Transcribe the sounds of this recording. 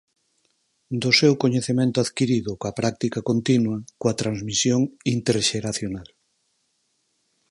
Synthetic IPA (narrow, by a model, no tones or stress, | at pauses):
d̪ʊsewkoɲeθemẽnt̪ʊaðkiɾiðʊkɐpɾak̚t̪ikɐkont̪inwɐkoɐt̪ɾanzmisjoŋint̪eɾʃeɾaθjonal